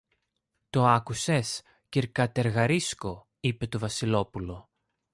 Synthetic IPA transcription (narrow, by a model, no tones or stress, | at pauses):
t̪o̞ɐkuses | ciɾkɐt̪e̞ɾɣɐɾisko̞ | ipe̞t̪o̞vɐsilo̞pulo̞